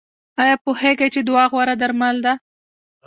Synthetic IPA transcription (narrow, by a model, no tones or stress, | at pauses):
ɑjɑpuheɡajt͡ʃed̪ʊwɑɣwaɾad̪aɾmald̪a